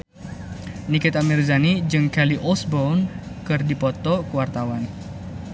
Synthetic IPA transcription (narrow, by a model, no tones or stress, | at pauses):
nikɪt̪amirzanid͡ʒɨŋkɛliʔɔsbɔwnkɨrdipɔt̪ɔkəwart̪awan